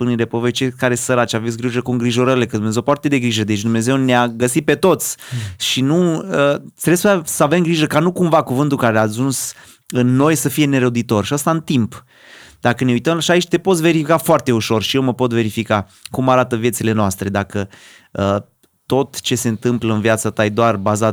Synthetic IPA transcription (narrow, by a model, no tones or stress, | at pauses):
spunide̞povejt͡ʃekaɾe̞səɾat͡ʃavesʲɡɾiʒəkuŋɡɾiʒo̞ɾəɾile̞kəd̪umnezewfoart̪e̞d̪e̞ɡɾiʒəd̪e̞t͡ʃd̪umne̞ze̞wneaɡəsit̪̚pe̞t̪o̞t̪sʲʃinuət̪siɾesasəave̞mɡɾiʒəkanukumvakuvɨnt̪ulkaɾeaːʒuns | ɨnːo̞jsəfije̞ne̞ɾəwd̪it̪o̞rʃiəst̪aɨnt̪imp | d̪akəne̞ujt̪əmlʃiait͡ʃt̪e̞potsʲve̞ɾifikafoart̪e̞uʃo̞rʃije̞wməpo̞t̪ve̞ɾifika | kumaɾat̪əvije̞t̪sile̞noast̪ɾe̞d̪akə | ə | t̪o̞t̪t͡ʃe̞se̞nt̪ɨmpləɨnviat̪sat̪ajd̪oarbaza